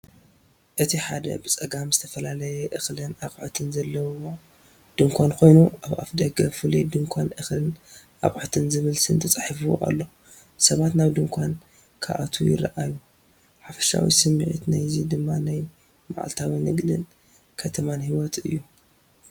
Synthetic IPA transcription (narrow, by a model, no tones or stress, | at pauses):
ʔɨt̪ʰiħad̪ɐ̰bɨt͡sʼɐɡamzɨt̪ʰɐfɐlalɐjɛʔɨxlɨnaχʼʕt̪ʰɨnzɐlːɐwo | d̪̥ɨŋkʷʰankʰo̞jnuaβa̰fd̪ɐɡɐfɨlid̪ɨŋkʷʰanʔɨxlɨn | ʔa̰ɣʼʕot̪ʰɨnzɨβɨlsɨnt̪ʰɐt͡sʼaħfɨwo̰ʔa̰lːo | sɐβat̪naβd̪ɨŋkʷʰan | kʰa̰ʔat̪ʰujɪ̰ɾɐʔaju | ħafɐ̥ʃa̰wḭsɨmːiʕḭt̪najzid̪ɨmːanaj | ma̰ʕa̰lt̪ʰawinɨɡd̪ɨn | kʰɐt̪ʰɐmanhiwɔt̪ʰɨ̰jːu